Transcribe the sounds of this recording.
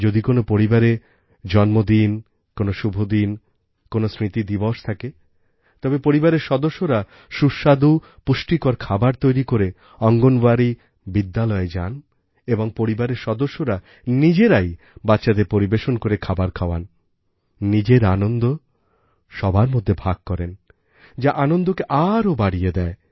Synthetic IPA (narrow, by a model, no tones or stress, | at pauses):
d͡ʑod̪ikonopoɾibaɾe | d͡ʑɔnmod̪in | konoʃubʱod̪in | konosɾit̪id̪iboʃt̪ʰake | t̪ɔbepoɾibaɾeɾʃɔd̪oʃːoɾa | ʃuʃad̪u | puʃʈikoɾkʰabaɾt̪ojɾikoɾe | ɔŋɡonbaɾi | bid̪ːalɔed͡ʑa̰n | eboŋpoɾibaɾeɾʃɔd̪oʃːoɾa | nid͡ʑeɾaj | batːɕʃad̪epoɾibeʃonkoɾekʰabaɾkʰaoa̰nː | id͡ʑeɾanond̪o | ʃɔbʱaɾmod̪ʱːebʱaɡ̚kɔɾen | d͡ʑaʔanond̪okeʔaɾobaɽijed̪ɛe